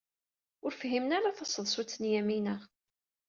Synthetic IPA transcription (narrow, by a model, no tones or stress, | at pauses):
ʊɾfɦimnaɾaθɑsˤːəðˤsut͡sːənjæminəʁ